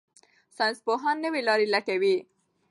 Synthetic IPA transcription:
sanspoɦɑnːəwilɑɾilaʈewi

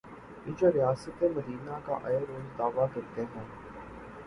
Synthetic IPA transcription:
ɪd͡ʒoɾɪjaːsət̪eməd̪iːnaka̰ʔɐjɾoːzd̪aːʋakɐɾt̪eɦɛ̃ː

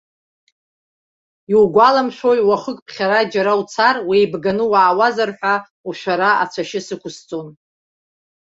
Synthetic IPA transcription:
iwɡʷalamʃʷᶣojwaχəkʼpʰχʲaɾad͡ʒaɾawt͡sʰarwijbɡanɨwaːwazarħʷᶣa | uʃʷᶣaɾaʔa̰t͡ʃʷʰaʃɪsɨkʷʰʊst͡sʼon

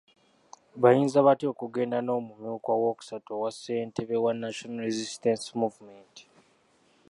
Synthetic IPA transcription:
βajiːnzaβatio̞kuɡe̞ːndano̞ːmumjuːkwawoku̥satowasːe̞ːntʰeβewanːaʃonaɾezistensmuvumenti̥

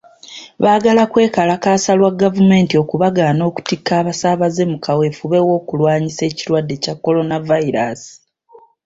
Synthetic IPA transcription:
βaːɡalakwe̞ːkalakaːsalwaɡːavume̞ːntio̞kuβaɡaːno̞ːku̥tikʰːaːβasaːβaze̞mukawe̞fuβe̞wo̞ːkulwaːɲise̞ːciɾwadːe̞cakːo̞lo̞navaiɾa̰si̥

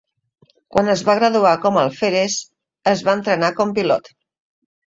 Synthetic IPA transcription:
kwanəzβaɣɾaðuakɔməlˠfeɾes | əzβaənt̪ɾənakɔmpilɔ̰t̪

